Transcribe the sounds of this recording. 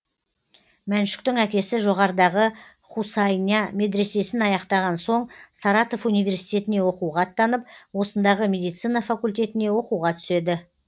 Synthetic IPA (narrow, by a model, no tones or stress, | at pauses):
mænʃɪ̥kt̪ɪŋækʲe̞sɪʒo̞ʁɑɾəd̪ɑʁə | χusɑjnɑmʲe̞d̪ɾe̞se̞sɪnɑjɑqt̪ɑʁɑnso̞ɴsɑɾɑt̪o̞funijvʲe̞ɾsijt̪e̞t̪ɪne̞wo̞quʁɑt̪ːɑnəp̚wo̞sənd̪ɑʁəmʲe̞d̪ijt̪sijnɑfakulʲt̪ʲe̞t̪ɪne̞wo̞quʁɑt̪ʰʏ̥se̞d̪ɪ